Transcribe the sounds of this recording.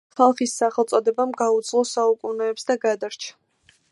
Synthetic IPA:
χalˠχisːaχɛlˠt̪sʼɔd̪ɛbamɡaud̪zlˠɔsaukʼunɛːpsd̪aɡad̪aɾt͡ʃʰḁ

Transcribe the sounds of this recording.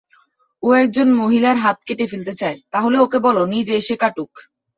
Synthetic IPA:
oɛk̚d͡ʑonmoɦilaɾɦat̪̚keʈefilt̪et͡ɕaet̪aɦoleokebɔlonid͡ʑeeʃekaʈuk

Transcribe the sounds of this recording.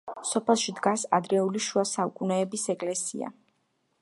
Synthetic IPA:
sɔpʰɛlˠʃid̪ɡasa̰d̪ɾɛuliʃuasaukʼunɛːbisɛkʼlɛsḭa̰

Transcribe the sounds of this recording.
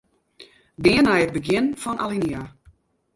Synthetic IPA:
dɪənɛjəd̚bəɡjɪnfɔnʔa̰linia

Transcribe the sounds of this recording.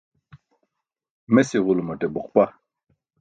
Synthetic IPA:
mesiʁulumɐʈebuqpa

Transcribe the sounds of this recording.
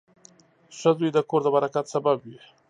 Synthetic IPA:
ʂəd̪ujd̪əkoɾd̪əbaɾakat̪sababwi

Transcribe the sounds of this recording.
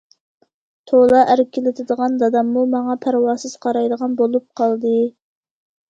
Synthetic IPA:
t̪ʰolˠɑʔæɾɪkʲʰelɪt̪ʰɪd̪əʁɑnd̪ɑd̪ɑmːumɑŋɑpʰæɾwɑːsɨz̥qʰɑɾɑjd̪əʁɑnbolˠup̚qʰɑlˠd̪ɨ

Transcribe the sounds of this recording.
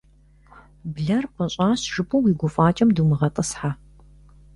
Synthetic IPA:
bɮɐrpʰɐɕʼaːɕʒɨpʰʼuwiːɡʷʊfʼaːt͡ʃʼɐmdumɨʁɐtʼɨsħaː

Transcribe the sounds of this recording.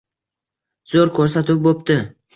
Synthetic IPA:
z̥oɾkʲʰɵɾsat̪ɪp̚bopt̪ɪ

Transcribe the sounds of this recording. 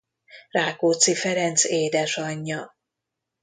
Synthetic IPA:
raːkoːt̪sifɛɾɛnt̪seːd̪ɛʃɒɲːɒ

